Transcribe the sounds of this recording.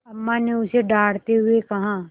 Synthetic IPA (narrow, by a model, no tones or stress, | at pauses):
əmːãːneʊseɖaːɽt̪eɦʊekɐɦãː